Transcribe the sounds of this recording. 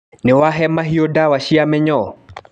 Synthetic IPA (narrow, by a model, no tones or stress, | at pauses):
nɪwaɦɛmaɦiodawaʃiamɛɲɔ